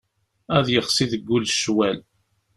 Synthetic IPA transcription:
æðjəχsiðəɡːʊlʃwæl

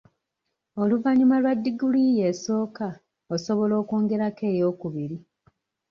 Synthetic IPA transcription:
o̞luvaɲumalwadːiɡulije̞so̞ːka | oso̞βo̞lo̞ːko̞ːŋɡe̞ɾake̞ːjo̞ːkuβiɾi

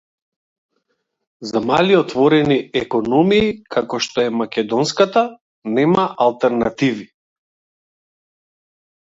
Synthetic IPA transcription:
zamaliɔt̪vɔɾɛniɛkɔnɔmiːkʰakɔʃt̪ɔɛmakʲɛd̪ɔnskat̪a | nɛmaʔalˠt̪ɛɾnat̪ivi

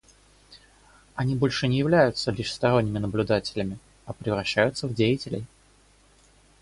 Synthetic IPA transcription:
ɐnʲibo̞lʲʂɨnʲɪjɪvlʲæjʊt̪səlʲiʂst̪ɐɾo̞nʲːɪmʲɪnəblʲʊd̪atʲɪ̥lʲɪmʲɪ | ɐpɾʲɪvɾɐɕːæjʊt̪səvdʲejɪtʲɪlʲɪ̰j

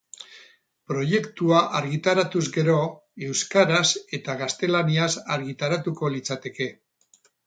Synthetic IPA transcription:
pɾo̞je̞kt̪uaʔaɾɣit̪aɾat̪uzɡe̞ɾo̞e̞wskaɾase̞t̪aɣast̪e̞laniasaɾɣit̪aɾat̪uko̞lit͡sat̪e̞ke̞

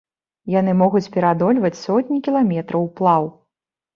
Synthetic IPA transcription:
jan̪ɨmɔɣut͡sʲpʲɛɾad̪ɔlʲvɐt͡sʲsɔtʲnʲikʲilˠamʲɛt̪ɾɐwplˠaw

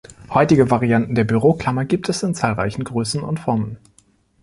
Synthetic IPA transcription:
hɔʏtɪɡəvaʁiantn̩deːɐbyʁoːkl̥amɐɡiːp̚tʰɛsɪnt͡saːlʁa̰ɪçn̩ɡʁøːsn̩ʊ̰ntfɔɐmən

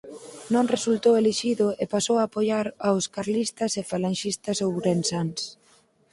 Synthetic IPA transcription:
nõŋresult̪oweleʃiðʊepasowaːpojaɾawskaɾlist̪ɐsefalanʃist̪ɐsowɾensans

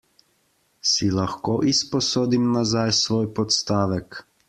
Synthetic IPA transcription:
silaxkoːʔispɔsoːd̪imnazajsʋoːjpɔt̪st̪aːʋɛk

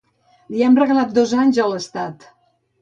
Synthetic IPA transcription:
liɛmrəɣlat̪̚d̪ozaɲzələst̪at̪

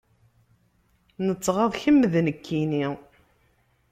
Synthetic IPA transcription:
nət͡sːʁɑðˤçəmːəðnəkːini

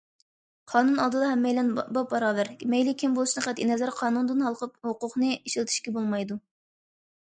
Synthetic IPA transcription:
qʰɑːnunɑlˠd̪ɨd̪ɑɦɛmːɛjlɛnbɑbɑɾɑːvæɾmɛjlɪkʲʰimbolˠuʃnɨqʰæt̪inɛzæɾqʰɑːnund̪ɨnhɑlˠqəp̚hoqʊqnɨiʃilt̪ʰy̥ʃkʲɛbolˠmɑjd̪u

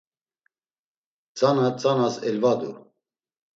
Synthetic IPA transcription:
t͡sʼanat͡sʼanasɛlvad̪ṵɾ

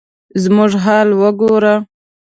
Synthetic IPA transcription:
zmʊʐɦɑːlwəɡoɾa

